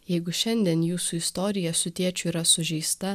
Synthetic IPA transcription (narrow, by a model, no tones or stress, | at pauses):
jɛɪɡʊʃʲɛnʲd̪ʲiɛnjuːsuɪst̪oːɾʲɪjɛsʊt̪ʲiɛt͡ʃʲʊiːɾɐsʊʒʲɛɪst̪ɐ